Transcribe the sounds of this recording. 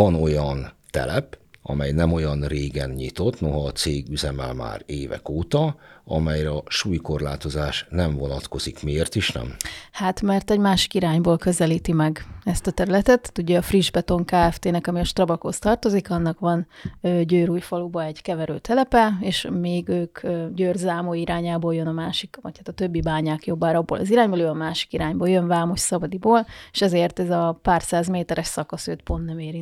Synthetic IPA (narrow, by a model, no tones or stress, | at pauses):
ɒno̞jɒnt̪ɛ̰lɛpɒ̰mɛjnɛmo̞jɒnreːɡɛnɲit̪o̞t̪no̞ɦɒːt̪seːɡyzɛmɛ̰lma̰ːɾeːvɛ̰koːt̪ɒɒmɛjɾɛɒʃuːjko̞rlaːt̪o̞zaːʃnɛɱvonɒt̪ko̞zikmieːrt̪iʃnɛ̰mhaːt̪mɛrt̪ɛɟmaːʃi̥kiɾaːɲboːlkø̞zɛliːt̪imɛɡɛst̪ɒt̪ɛɾylɛt̪ɛt̪t̪uɟːɛɒfriʒbɛt̪o̞ŋkaːɛft̪eːnɛkɒmiɒʃt̪rɒbɒkhost̪ɒrt̪o̞zikɒnːɒkʋɒnøːɟøːɾuːjfɒlubɒɛɟkɛvɛɾø̰ːt̪ʰɛlɛpɛeːʃmeːɡøːkøɟøːrzaːmoːiɾaːɲaːboːljønɒmaːʃikʋɒ̰chat̪ɒt̪øbːibaːɲaːkjo̞bːaːɾɒbːo̰ːlɒ̰ziɾaːɲboløːɒmaːʃi̥kiɾaːɲboːljønvaːmoʃsɒbɒd̪iboːleʃɛzeːrt̪ɛzɒpaːrsaːzmeːt̪ɛɾɛʃsɒkɒsøːt̪po̞nːɛmeːɾint